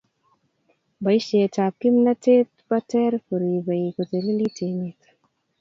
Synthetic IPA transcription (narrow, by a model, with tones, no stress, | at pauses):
ba˨i˦ʃɛ˨ta˨p̚kɪ˦mna˦te˦t̪̚ba˦tɛ˦ɾfo˨ɾi˨ba˨i˨ko˨t̪e˨li˦li˦te˨mi˨t̪